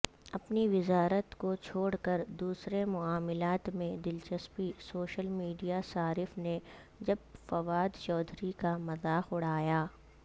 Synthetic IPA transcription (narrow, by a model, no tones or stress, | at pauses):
ɐpniʋɪzaːɾət̪kot͡ʃʰoːɽkɐɾd̪uːsɾemʊaːmɪlaːt̪mẽd̪ɪlt͡ʃɐspisoːʃəlmiːɖijasaːɾɪfne | d͡ʒɐbfɐʋaːd̪t͡ʃɔːd̪ʱɾikamɐzaːxʊɽ̤aːjaː